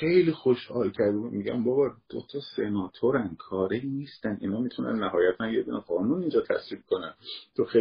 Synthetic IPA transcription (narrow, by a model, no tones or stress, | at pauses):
xe̞jlixo̞ʃhɒ̰ːlcʰæɾd̪ebud̪miɟæ̰mbɒːbɒd̪̥o̞̰t̪ʰɒse̞nɒːt̪ʰo̞ɾænkʰɒːɾeniːst̪ænḭːnɒːmit̪ʰunæ̰nːæɦɒːjæt̪ʰænjeb̪uneɢɒːnunind͡ʒɒːt̪ʰæ̰sviːb̚kʰo̞nænt̪ʰoxe